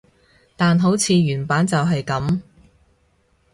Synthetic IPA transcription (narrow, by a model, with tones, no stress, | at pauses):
t̪aː˨nɦo˨˥wt͡sʰiː˨˧ɥyː˨˩npaː˨˥nt͡sɐ˨wɦɐ˨jkɐ˨˥m